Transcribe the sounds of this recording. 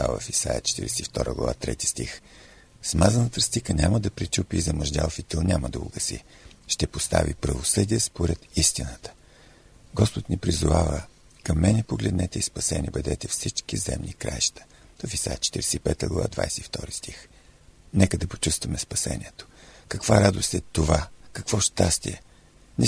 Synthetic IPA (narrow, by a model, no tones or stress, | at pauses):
avə̰fisa̰jət͡ʃɛ̥t̪ḭɾɛsift̪ɔɾʔə̰ɡlˠɐ̰va̰t̪ɾɛ̰t̪i̥st̪ix | smazənət̪əst̪ikənʲaməd̪ɐpɾit͡ʃupizɐmoʒd̪ʲalˠfit̪ilˠnʲaməd̪ɐʊ̰ɡəsḭ | ʃt̪ɛpost̪a̰vipɾɐvosɤd̪iɛspoɾɛt̪ist̪inət̪ə̥ | ɡɔspot̪nʲipɾizʊvavə | kɐmːɛnɛpoɡlɛd̪nɛt̪ɛispɐsɛnʲiɛbɛd̪ɛt̪ɛfsit͡ʃkizɛ̰mnikɾa̰jʃt̪ə̥ | t̪ofisaɛt͡ʃɛ̥t̪iɾɛsɛipɛt̪ə̰ɡlɐ̰vˠa̰d̪va̰jsɛift̪ɔɾist̪ix | nɛkəd̪ɐpo̥t͡ʃust̪vəmɛspɐsɛ̰nʲiɛt̪o̥kɐkvaɾad̪ost̪ɛt̪ovakɐkvɔʃt̪ast̪ḭɛ | nɛ